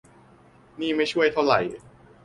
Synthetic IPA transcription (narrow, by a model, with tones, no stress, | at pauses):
niː˥˩ma˥˩jt͡ɕʰu˥˩əjt̪ʰa˥˩wɾa˨˩j